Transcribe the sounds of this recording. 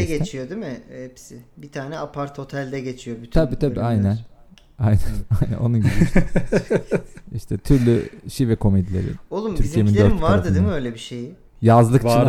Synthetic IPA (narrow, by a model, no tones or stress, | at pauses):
ɡet͡ʃʰijo̞d̪imɪhɛpsɪbit̪ʰaːnɛapʰaɾt̪ho̞t̪ʰɛlʲd̪ɛɟe̞t͡ʃʰijobyt̪ʰabiːt̪ʰabiːajnæn | ajnænajnæ̰no̞̰nunɟiʃ | iʃt̪ʰɛt̪ʰyɾlʲy̰ʃivɛkʰo̞med̪ilʲḛɾḭolˠutmʰyiijemind̪øɾmvaaɾad̪ɯd̪imɪøjlʲebiʃeji | jazlˠɯkt͡ʃʰ